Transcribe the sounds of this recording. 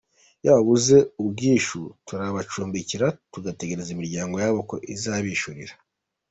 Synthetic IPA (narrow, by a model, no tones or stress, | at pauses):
jaβaβuze̞ub̚ɡiːʃutuɾaβat͡ʃuːmbiciɾatuɡate̞ɡe̞ɾezimiɾɟaːŋɡo̞jaβo̞ko̞ʔizaβiʃuɾḭɾa